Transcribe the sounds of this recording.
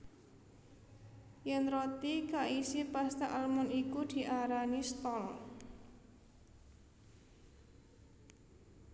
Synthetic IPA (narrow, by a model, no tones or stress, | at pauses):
jɛnrot̪ikaʔisipast̪aʔalmʊnikud̪̥i̤ʔaɾanist̪ɔl